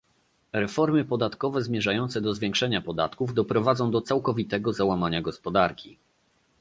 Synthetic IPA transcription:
ɾɛfɔɾmɘpɔd̪at̪kɔvɛzmʲjɛʐajɔnt̪sɛd̪ɔzvʲjɛ̃ŋkʂɛɲapɔd̪at̪kuvd̪ɔpɾɔvad̪zɔ̃w̃d̪ɔt̪sawkɔvʲit̪ɛɡɔzawamaɲaɡɔspɔd̪aɾkʲi

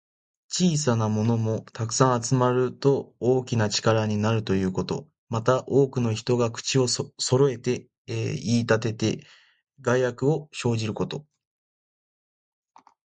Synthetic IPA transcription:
t͡ɕiːs̬anamo̞no̞mo̞t̪akɯ̟̥sãɰ̃at͡sɨmaɾɯ̟t̪o̞oːkʲinat͡ɕi̥kaɾaɲ̟inaɾɯ̟t̪o̞jɯ̟ːko̞t̪o̞̰ | mat̪aʔo̞ːkɯ̟no̞çi̥t̪o̞ɡakɯ̟̥t͡ɕio̞so̞ɾo̞e̞t̪e̞ | iːt̪at̪̬e̞t̪e̞ | ɡaijakɯ̟o̞ɕo̞ːʑiɾɯ̟ko̞t̪o̞

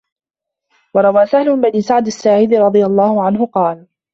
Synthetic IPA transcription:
wɑɾˤɑwaːsahlʊbaniːsaʕd̪asːaʕiːd̪ɪɾˤɑd̪ˤɨjalˤːɑːhʊʕanɦʊqɑːl

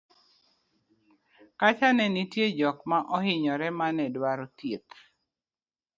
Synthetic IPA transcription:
kat͡ʃanɛnitjed͡ʒɔkmaʔɔhɪɲɔɾɛmanɛdwaɾot̪jet̪

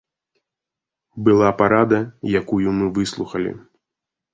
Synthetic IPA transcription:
bɨlˠapaɾad̪ɐjakujumɨvɨslˠuxɐlʲḭ

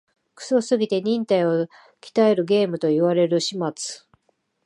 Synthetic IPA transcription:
kɯ̟̥so̞sɨɡʲit̪e̞ɲ̟ĩnt̪aio | kʲi̥t̪ae̞ɾɯ̟ɡe̞ːmɯ̟t̪o̞iβaɾe̞ɾɯ̟ɕimat͡sɨ̥

